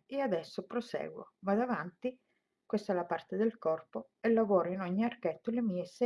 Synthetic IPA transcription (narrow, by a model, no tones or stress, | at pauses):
ead̪ɛsːopɾosɛ̰ːɡwo̰mad̪avant̪i | kwest̪alapart̪ed̪elkɔrpo | ɛlːavɔːɾoinɔɲːiarkɛt̪ːolemiːesɛ